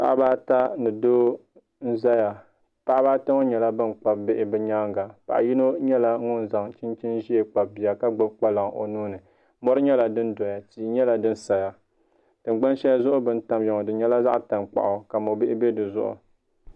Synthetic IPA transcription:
pa̰˨ʔbaː˦ta˦nɨ˨doː˦ | n̩˦za˦ja˨ | pa˦ʔbaː˦ta˦ŋo˦ɲɛ˨la˦bɨ˦nk͡pa˨bbɪ˦ʔɪ˨bɨ˦ɲa˦ŋɡa˨pa̰˨ʔji˦no˦ɲɛ˦la˦ŋʊ˦n˨za˨ŋt͡ʃi˦nt͡ʃi˦nʒi˦e˨k͡pa˨b̚bi˨a˨ka˦ɡ͡bʊ˦b̚k͡pa˦la˨ŋo̰˨nuː˦nɨ˨ | mɔ˦ɾɨ˦ɲɛ˦la˨dɨ˦ndɔ˨ja˨tiː˨˦ɲɛ˦la˨dɨ˦n˦sa˨ja˨ | tɨ˨ŋ͡mɡ͡ba˦nʃɛ˦ja˦zʊ˦ʔʊ˦bɨ˦n̩˦ta˨mjɔ˨ŋɔ˨dɨ˨˦ɲɛ˦la˦za˦ʔta˨mk͡pa̰˨ʔʊ˨ka˨mo˨bɪ˦ʔɪ˦bɛ˦dɨ˨zʊ̰˦ʔʊ̰˨

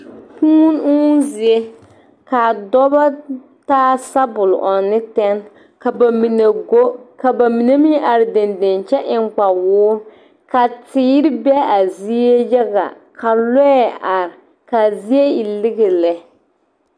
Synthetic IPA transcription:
huː˦nu˦zi˨e˦ | ka˨dɔ˦ba˦ | taː˦sa˦bʊ˨l̰ʔɔ˨nɪ˦tɛ˦n | ka˨ba˨mi˨ne˨ɡo˦ka˨ba˨mi˨ne˦mi˦ʔa˨ɾɪ˨de˨nde˨nt͡ʃɛ˦ʔɪ˨ŋ͡mk͡pa˨wʊː˦ | ka˨tɪː˦ɾɪ˦bɛ˦a˨zi˦e˦jɛ˦ɡa̰˨ | kʰa˨lɛ˦˨a˨ɾ | ka˨zi˦e˦i˨lɪ˦ɣe˨lɛ˨

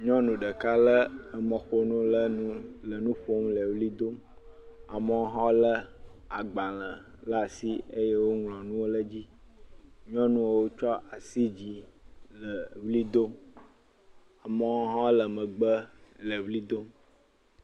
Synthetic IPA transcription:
ɲɔ̃˦nũ˨ɖə˨ka˦lə˦ə˨mə̃˨xo˦nũ˦lə˦nũ˦lə˨nũ˦ɸo˦mlə˨vli˦d̪o˦m | a˨mə˦wɔ˦ɦã˦wlə˦a˨ɡ͡ba˨lə̃˨ | la˦˨si˦ə˦je˦wo˦ŋlɔ̃˨nũ˦wo˦lə˦d͡ʑi˦ | ɲɔ̃˦nũ˦o˨wo˦t͡ʃɔ˦ʔa˨si˦d͡ʑi˨lə˨vli˦d̪o˦m | a˨mə˨wɔ˦ɦã˦lə˨mə̃˨ɡ͡bə˦lə˨vli˦d̪o˦m

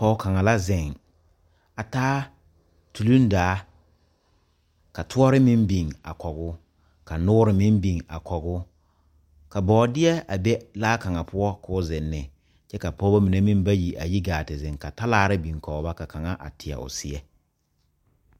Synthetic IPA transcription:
pɔ˦ʊ˦ka˨ŋa˨la˦zɪ˨ŋ | a˨taː˦ | tu˨lu˦n˦daː˨˦ | ka˨tʰʊ˦ɔ˦ɾɪ˦mɪ˦mbi˨ŋa̰˨kɔ˨ɣʊ˦ | ka˨nʊː˦ɾɪ˨mɪ˦mbi˨ŋa̰˨kɔ˨ɡʊ˦ | ka˨bɔː˨˦dɪ˦ɛ˦a˨bɛ˦laː˦ka˨ŋa˨pʊ˦ɔ˦kʊː˦zɪ˨nːɪ˨ | t͡ʃɛ˦ka˨pɔ˦ba˦mi˨ne˦mi˦m˦ba˦ji˨ʔa̰˨ji˦ɡaː˨tɪ˨zɪ˨ŋka˨ta˦laː˦˨ɾɪ˦bi˨ŋkɔ˨˦ba˦ka˨ka˨ŋa˦ʔa̰˨tʰɪ˨ɛ̰˨ʔʊ̰˨sɪ˦ɛ˦

